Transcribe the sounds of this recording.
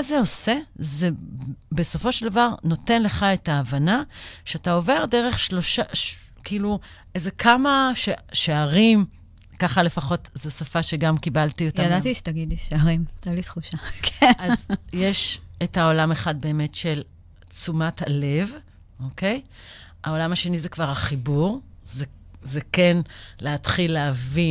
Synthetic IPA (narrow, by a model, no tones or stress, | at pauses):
azeo̞se̞ze̞be̞so̞fo̞ʃeld̪avaʁno̞te̞nle̞χaetaːvanaʃeatao̞ve̞ʁdeʁe̞χʃloʃa | kiilu | ʔezekʰamaʃeʃeaʁim | kaχale̞faχo̞tzesafaʃeɡamkibaltiotadatiʃe̥t̪aɡid̪iʃeaʁimtalit̪χuʃakʰeazjeʃethaolameχad̚be̞ːme̞tʃe̞l | t͡sumathale̞v | ʔoke̞j | ao̞lamaʃe̞nizekvaʁhaχibuʁzezekenleatχilːeavi